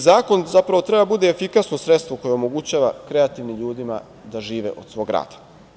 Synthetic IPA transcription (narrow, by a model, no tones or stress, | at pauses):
zaːko̞nzapɾaʋo̞t̪ɾe̞babud̪eːfikasno̞sɾet̪st̪ʋoko̞jeomo̞ɡut͡ɕaːʋakɾe̞at̪iʋnimʎuːd̪ima̰ | d̪aʒiːʋe̞̰ʔo̞d̪sʋoɡɾa̰ːd̪ḁ